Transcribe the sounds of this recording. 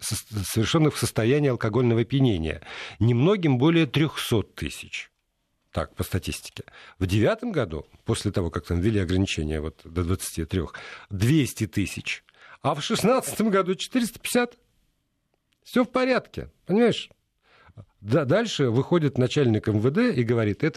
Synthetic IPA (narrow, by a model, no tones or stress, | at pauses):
səsəvʲɪrʂonːɨxfsəst̪ɐjænʲɪːɐlˠkɐɡo̞lʲnəvəpʲjɪnʲenʲɪ̰jə̰nʲɪmno̞ɡʲɪmbo̞lʲɪjət̪ɾʲoxso̞t̪ʰːɨ̰sʲɪ̥t͡ɕ | t̪a̰k̚pəst̪ɐtʲisʲtʲɪ̥kʲɪ̥vdʲɪvʲat̪əmɡɐd̪ṵpo̞sʲlʲɪt̪ɐvo̞kak̚t̪amvʲɪlʲiɐɡɾənʲɪt͡ɕḛnʲɪjə̰vo̞t̪d̪əd̪vət̪sɨ̥tʲit̪ɾʲo̰xd̪vʲesʲtʲɪt̪ɨsʲɪt͡ɕ | ɐfʂɨsnat̪sɨ̥t̪əmɡɐd̪ut͡ɕɪ̥t̪ɨɾʲɪst̪ə̥pʲɪ̥sʲat̪ | fsʲofpɐɾʲat̪kʲɪ̰pənʲɪmajɪʂ | d̪ad̪alʲʂɨvɨxo̞dʲɪt̪nɐt͡ɕælʲnʲɪkɛmvəd̪ɛiɡəvɐɾʲit̪ɛt̪ə